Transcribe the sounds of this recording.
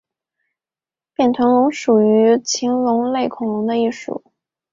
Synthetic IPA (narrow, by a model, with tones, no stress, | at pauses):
pjɛ˨˩nt̪ʰwə˧˥ŋlʊ˧˥ŋʂu˨˩y˧˥t͡ɕʰi˧˥ŋlʊ˧˥ŋle˥˩ɪkʰʊ˨˩ŋlʊ˧˥ŋd̪ə˧i˥˩ʂṵ˨˩˦